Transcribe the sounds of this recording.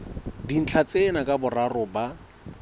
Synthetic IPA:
din̩t͡ɬʰat͡sʼenakʼabʊrarʊba

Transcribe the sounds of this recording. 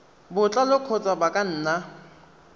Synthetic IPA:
bʊt͡ɬʼalʊkʰɔt͡sʼabakʼan̩ːna

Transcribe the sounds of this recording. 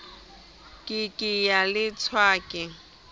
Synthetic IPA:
kʼɪkʼɪjalɪt͡sʰwaːkʼɪ

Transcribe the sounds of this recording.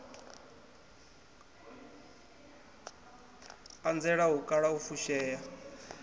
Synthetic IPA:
and͡zɛɺaɦukʼaɺaufuʃɛːja

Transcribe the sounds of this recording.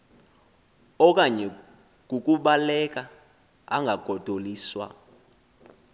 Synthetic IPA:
ɔk̬ʼaɲɛ | k̬ukʼuɓalɛk̬ʼa | a̰ŋɡʱaɡ̥ʱɔd̥ʱoliːswa̰

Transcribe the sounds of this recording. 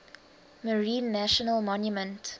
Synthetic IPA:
məɹĩːnːæʃənəlmɔnjumə̃nt

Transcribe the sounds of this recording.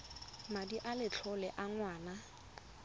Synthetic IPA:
madiʔalɪt͡ɬʰɔlɛʔaŋwaːna

